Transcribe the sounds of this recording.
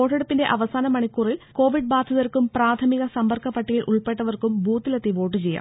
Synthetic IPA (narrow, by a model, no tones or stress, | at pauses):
oːʈːeɽupːinde̞ʔɐʋɐsaːnɐmɐɳikːuːriko̞ːʋiɖ̚baːd̪ʱɐðɐrkumpraːt̪ʰɐmiɣɐsɐmbɐrkʰːɐpːɐʈːijilʔuɭpe̞ʈːɐʋɐrkumbʱuːt̪ːilet̪ːiʋo̞ːʈːɨt͡ɕe̞ja̰ː